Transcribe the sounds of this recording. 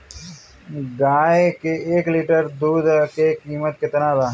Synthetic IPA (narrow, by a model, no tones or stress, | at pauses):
ɡaːekeeːkliːʈəɾd̪uːd̪kekiːmət̪̚kɪt̪ənaːd̪aː